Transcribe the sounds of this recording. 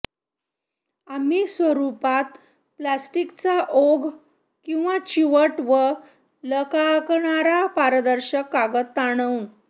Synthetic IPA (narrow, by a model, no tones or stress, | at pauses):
amisʋəɾupat̪ | plasʈikt͡saʔoɡ | kĩw̃ʋat͡ɕiʋəʈʋə | ləkakɳ̃aɾapaɾəd̪əɾɕəkːaɡət̪ːaɽ̃əũ